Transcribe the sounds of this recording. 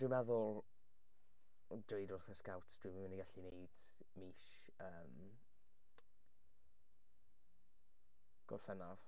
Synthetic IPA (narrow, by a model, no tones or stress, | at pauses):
d̥ɪmɛðʊlˠ | dejdʊrθəskawtʰd̥wɨməməniɡaɬineɨd̥ | miːʃ | əːm | ɡ̥ɔ̰rfɛnav̥